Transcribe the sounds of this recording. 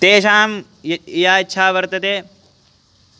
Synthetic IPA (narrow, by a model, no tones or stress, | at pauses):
t̪eːʃaːm | ijaːjitːʃʰaːʋɐɾt̪ɐt̪eː